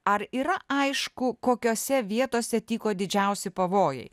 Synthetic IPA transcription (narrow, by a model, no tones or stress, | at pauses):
ɐɾiːɾɐɐɪʃkʊkoːkʲoːsʲɛʋʲiɛt̪oːsʲɛt̪ʲiːkoːd̪ʲɪd͡ʒʲɛʊsʲɪpɐʋoːjɛ̰ɪ